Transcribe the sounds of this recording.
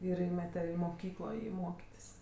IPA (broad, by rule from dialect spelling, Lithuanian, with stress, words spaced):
ɪr ˈiːmʲɛtʲɛ ɪ moːˈkʲiːklˠoː ˈjiː ˈmoːkʲɪtʲɪs